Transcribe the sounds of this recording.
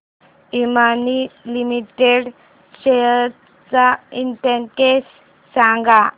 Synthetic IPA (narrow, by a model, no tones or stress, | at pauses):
imanilimiʈeɽ | ɕe | t͡sainʈeŋkes | sãŋɡa